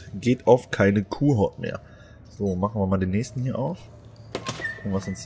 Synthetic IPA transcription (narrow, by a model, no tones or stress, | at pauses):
ɡeːtʔaʊfkʰaɪnəkʰuːɦɔɐtmḛːɐ | z̥oːmaχn̩viːmaːldeːnɛːçstn̩hiːɐʔa̰ʊf | ʔŋ̩vasɪns